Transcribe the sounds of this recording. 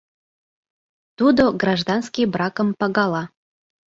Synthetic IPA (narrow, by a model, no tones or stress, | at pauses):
t̪ud̪oɡrɑʒd̪ɑnskibrɑkəmpɑɣɑlɑ